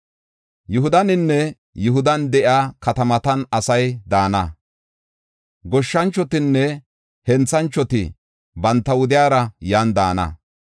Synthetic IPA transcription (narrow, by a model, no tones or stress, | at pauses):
jʊhʊd̪ɐnɪnːɛ | jʊɦʊd̪ɐnd̪ɛʔɪaːkɐt̪ɐmɐt̪ɐnɐsɐjd̪aːnɐ | ɡɔʃːɐnt͡ʃːɔt̪ɪnːɛ | hɛnt͡sːɐnt͡ʃːɔt̪ɪ̰ | bɐnt̪ːɐwʊd̪ɪjaːɾɐjaːnd̪aːnɐ̰